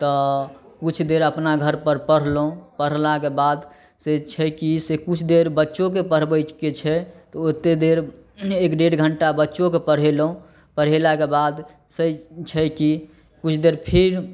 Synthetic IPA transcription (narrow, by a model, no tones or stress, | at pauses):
t̪ɔkut͡ʃʰd̪eɾəpnaɡʱəɾpəɾpəɽ̤lõpəɽ̤lakebad̪ | set͡ʃʰɛkisekut͡ʃʰd̪eɾbətːʃok̬epəɾ̤bət͡ʃket͡ʃʰɛt̪ɔot̪ːed̪eɾ | ekɖeɽɡʱəɳʈabətːʃõkepəɽ̤elõ | pəɽ̤elakebad̪ | sət͡ʃʰɛki | kut͡ʃʰd̪eɾpʰiɾ